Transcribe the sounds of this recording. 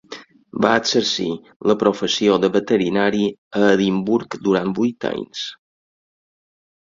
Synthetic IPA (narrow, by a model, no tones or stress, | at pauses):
baəsəɾsi | ləpɾofəsioðəβət̪əɾinaɾiəːðimbuɾkd̪uɾan̚bujt̪a̰jns